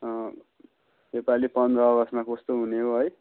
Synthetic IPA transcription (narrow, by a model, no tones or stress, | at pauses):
ʌ | mepalipʌnd̪rʌːɡʌsmakost̪oɦuneɦoɦʌj